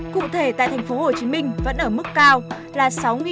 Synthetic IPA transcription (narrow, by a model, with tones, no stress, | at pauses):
kṵ˧˨t̪ʰe˧˩t̪a̰ː˧˨t̪ʰjŋ̟fo˨˦ho˨˩t͡ɕi˨˦mï˧ŋ̟və̰˧˥nʔəː˧˩mɨ˦˥kːaː˧w | laː˨˩sa˨˦wŋi˨